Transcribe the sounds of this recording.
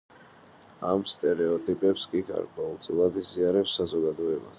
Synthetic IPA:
amst̪ʼɛɾɛɔt̪ʼipʼɛpskʼikʰa̰ɾkʼaulˠt̪sʼilˠad̪iziaɾɛpsazɔɡad̪ɔɛba̰s

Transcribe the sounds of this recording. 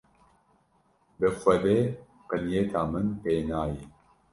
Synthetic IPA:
bɨfʷɐbeː | qənijeːt̪ʰaːmɨnpeːnaːji

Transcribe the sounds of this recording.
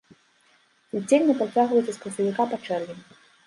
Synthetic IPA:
it͡sʲːelʲnʲɐpɾɐt͡sʲaɣvɐjt̪sʲɐspɾɐsɐvʲikapat͡ʂɛrvʲimʲ

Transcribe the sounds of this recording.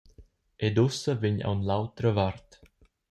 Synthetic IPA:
ʔed̪usəvɪɲa̰wnlawt̪ɾəvaɾt̪

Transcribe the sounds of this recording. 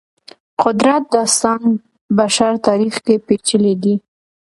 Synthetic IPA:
qʊd̪ɾat̪̚d̪ɑst̪ɑn | baʃaɾt̪ɑɾixkepet͡ʃəled̪i

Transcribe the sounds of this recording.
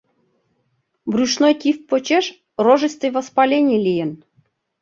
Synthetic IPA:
brʲuʃnojt̪ʲifpːot͡ɕeʃ | roʒəst̪ɨjvəspɑlʲenʲelʲijən

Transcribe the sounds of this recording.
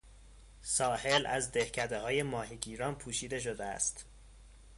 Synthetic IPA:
sɒːhe̞læzd̪ehcʰæd̪e̞hɒːje̞mɒːɦiɟiːɾɒːnpʰuːʃiːd̪e̞ʃ̬o̞d̪eæ̰st̪

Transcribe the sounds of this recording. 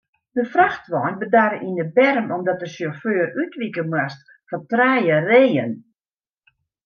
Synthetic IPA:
dəfraxtʋɔjnbədaɾəʔindəbɛrəmɔmdɔt̚dəsɔføːrytʋikəmwast | fɔtraːjəreːən

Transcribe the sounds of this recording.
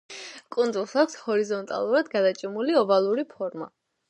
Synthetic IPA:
kʼund̪zulˠsakʷʰshɔɾizɔnt̪ʼa̰lˠuɾad̪ɡad̪at͡ʃʼimuliɔvalˠuɾipʰɔɾma̰

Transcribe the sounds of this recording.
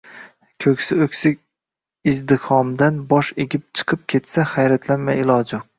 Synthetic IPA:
kʲʰɵkʲsɪɵkʲsɪkʲ | ɪzd̪ɪhɒmd̪anbɒʃeɡʲɪp̚t͡ʃʰɨ̥qʰɨp̚kʲʰe̞t̪saχajɾat̪ʰlanmajɪlˠɒd͡ʒʊq

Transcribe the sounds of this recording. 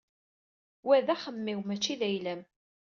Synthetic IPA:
wæðæχəmːiwmæt͡ʃːiðæjlæm

